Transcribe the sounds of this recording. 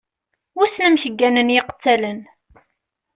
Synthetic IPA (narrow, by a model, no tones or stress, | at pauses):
ʊsnæmçəɡːænənjɪqə̥t͡sːælən